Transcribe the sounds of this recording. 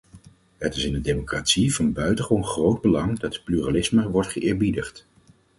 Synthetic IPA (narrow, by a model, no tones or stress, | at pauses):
ɦətɪsɪndədejmokraːtsivɑnbœɥtəχonχrowd̚bəlɑŋdɑtəplyralɪsməʋɔɹtχəʔɪːɹbidəχt